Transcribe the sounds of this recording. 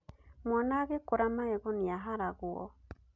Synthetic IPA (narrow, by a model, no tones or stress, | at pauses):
mwanaɣekoɾamaɛɣɔniaɦaɾaɣuɔ̰